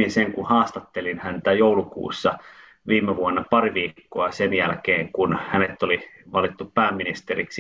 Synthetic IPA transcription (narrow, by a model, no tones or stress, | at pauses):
inseŋkuhɑːst̪ɑt̪ːelinhænt̪æjoulukṵːsːɑ | ʋiːmːˑeʋuonːɑpɑriʋiːkːoɑsenjælkeːŋkunhænet̪ːoliʋɑlit̪ːuppæːmːinist̪eriksi